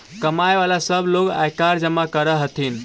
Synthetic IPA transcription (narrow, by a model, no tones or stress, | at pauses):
kəmaeʋalasəbʱloɡa̰jkaɾd͡ʒəmːakəɾəɦət̪ʰin